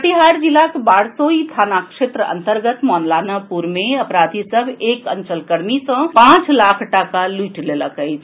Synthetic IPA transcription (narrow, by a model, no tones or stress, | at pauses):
ʈiɦaɾd͡ʒilakbaːɽsoit̪ʰanakʂet̪ɾəə̰nt̪əɾɡət̪mɔnlanapuɾmeəpɾad̪ʱisəbʱekənt͡ʃəlkəɾnisə̃pãt͡ʃlakʰʈakaluʈʰleləkəjt͡ʃʰ